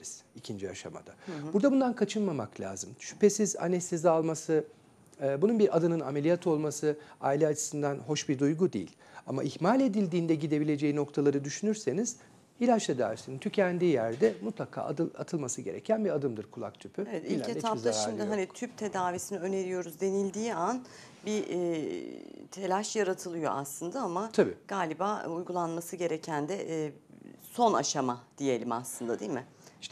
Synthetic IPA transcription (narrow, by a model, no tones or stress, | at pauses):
ɾiz̥icʰind͡ʒiaʃa̰ma̰d̪abuɾd̪abund̪ankʰat͡ʃʰɯnmamaklʲa̰ːzɯmʃy̥pe̞siza̰nɛst̪ʰezalˠmasɯː | bununbiɾʔad̪ɯnɯname̞lʲijat̪ʰo̞lˠmasɯa̰ːilʲɛat͡ʃʰɯ̥sɯnd̪anɦo̞ʃbiɾd̪ujɡud̪ejḭlʲ | amaʔihmalʲe̞d̪ilʲd̪iːnd̪ɛɟid̪e̞bilʲe̞d͡ʒejino̞kt̪ʰalˠaɾɯd̪yʃynyɾse̞niz̥ | ilʲat͡ʃt̪ʰed̪a̰ːvisinint̪ʰycʰænd̪iːjæɾd̪ɛmut̪lˠakʰa̰ːɯat̪ʰɯlˠmasɯɟe̞ɾecʰænbiad̪ɯmd̪ɯɾkʰulˠa̰k̚t̪ʰypʰyevɛt̪ilʲetʰaaʃimd̪ɪɦanit̪ʰyp̚t̪ʰe̞d̪aːvisiniø̞ne̞ɾijo̞ɾuzd̪e̞nilʲd̪iːan | bi | t̪ʰe̞lʲaʃjaɾat̪ʰɯlˠɯjo̞̰ʔa̰slˠɯnd̪aamat̪ʰabḭːɡ̥aːlʲibaːujɡulˠanmasɯɟe̞ɾecʰænd̪ɛ | so̞na̰ʃamad̪̥ije̞lʲima̰slˠɯnd̪ad̪iːlʲmɪ